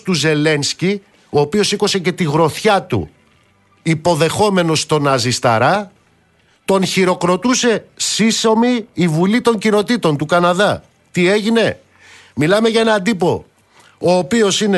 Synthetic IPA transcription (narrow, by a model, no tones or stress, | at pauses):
t̪uze̞le̞nsci | o̞ːpio̞siko̞se̞ce̞t̪iɣɾo̞θçɐt̪ṵ | ipo̞ðe̞xo̞me̞no̞st̪o̞nɐzist̪ɐ̰ɾɐ | t̪o̞nçiɾo̞kɾo̞t̪use̞siso̞miːvulit̪o̞ɲcino̞t̪it̪o̞nt̪ukɐnɐðɐ | t̪ie̞ʝine̞ | milɐme̞ʝɐe̞nɐnd̪ipo̞ | oːpio̞sine